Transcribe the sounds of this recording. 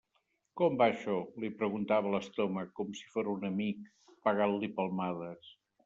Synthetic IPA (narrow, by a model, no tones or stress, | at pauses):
kɔmbaʃɔlipɾəɣunt̪aβələst̪oməkɔmsi̥foɾunəmik | pəɣallipəlˠmaðəs